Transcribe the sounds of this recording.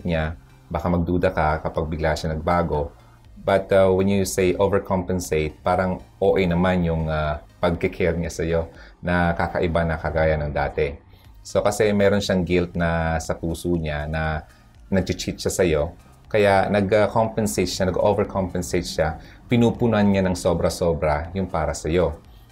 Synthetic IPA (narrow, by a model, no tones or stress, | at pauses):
t̪ɲa | baːkamɐɡ̚d̪uːd̪ɐkɐkɐpaɡ̚bɪɡlaʃɐnɐɡ̚baːɡo̞ | bɐt̪awɛnjusejʔovɛɹkʰompɛnseɪt̪̚paːɾɐŋʔoːʔɛjnɐmanjʊŋapɐɡ̚kɛkʰɛɹɲasɐjo̞nɐkakɐ̰ʔɪbanɐkɐɡaːjɐnɐŋd̪aːt̪ɛ | so̞kɐsɛmɛːɾo̞nʃaŋɡɪlt̪̚nɐsɐpuːsoɲanɐ | nɐɡ̚t͡ʃɪt͡ʃit̪ʃasɐjo̞ | kɐjaʔnɐɡɐkompɛnsejt̪̚ʃanɐɡʔovɛɹkʰompɛnsejt̪ʃapɪnuːpʊnʊʔɐnɲanɐŋso̞bɾɐso̞ːbɾɐjʊŋpaːɾɐsɐjo̞